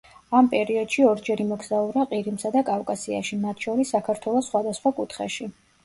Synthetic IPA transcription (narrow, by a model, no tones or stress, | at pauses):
ampʼɛɾiɔd̪̥ʃiɔɾd͡ʒɛɾimɔɡzauɾaqʼiɾimsad̪akʼafkʼasia̰ʃimat̪ʰʃɔɾisːakʰaɾt̪ʰwɛlˠɔsːχwad̪asχwakʼut̪ʰχɛ̰ʃi